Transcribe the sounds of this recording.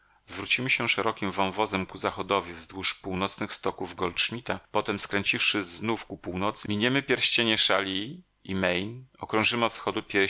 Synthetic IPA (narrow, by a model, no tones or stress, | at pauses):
zvɾut͡ɕimɘɕɛʂɛɾɔkʲimvɔ̃w̃vɔzɛmkuzaxɔd̪ɔvʲivzd̪wuʂpuwnɔt̪snɘxst̪ɔkuvɡɔlt͡ʂmʲit̪apɔt̪ɛmskɾɛɲʲt͡ɕifʂɘznufkupuwnɔt̪sɘmʲiɲɛmɘpʲjɛɾɕt͡ɕeɲɛʂalʲi | imɛjnɔkɾɔ̃ʐɘmɘɔt̪sxɔd̪upʲjɛɾ